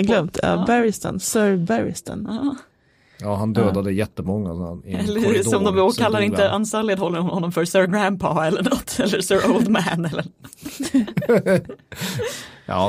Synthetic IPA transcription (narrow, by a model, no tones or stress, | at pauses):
ɡlœmt̪ʰɑ̰bæɾɪst̪ə̰nsœɾbæɾɪ̰st̪ə̰n | jɑːɦand̪øːd̪ad̪əjɛt̪ːəmɔŋːasa̰nɛlːəsɔmd̪ɔmoːkʰalːaɾɪnt̪əʔansɑːɭed̪hɔlːəɾhɔnːɔmfœɾsœɹɡɾæmpʰɑɛlːəɳɔt̪ːɛlːəsœːɾʔoʊld̪mæːnɛlːəɾ | jɑ̰ː